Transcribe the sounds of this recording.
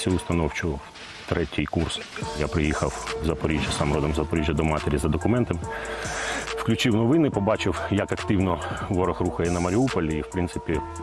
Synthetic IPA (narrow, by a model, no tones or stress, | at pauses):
sʲiʊst̪ɐnɔwt͡ʃʊw | t̪ɾɛtʲijkursjapɾɪjixɐwwzɐpɔɾʲiʒʲjɐsamɾɔd̪ɔmzɐpɔɾʲiʒʲjɐd̪ɔmɑt̪eɾʲizɐd̪ɔkʊmɛnt̪ɐm | fklʲʊt͡ʃɪwnɔʋɪnɪpɔbɑt͡ʃɪwjɐkɐkt̪ɪwnɔʋɔɾɔxruxɐjɛnɐmɐɾʲiupɔlʲiiwpɾɪnt̪sɪpʲi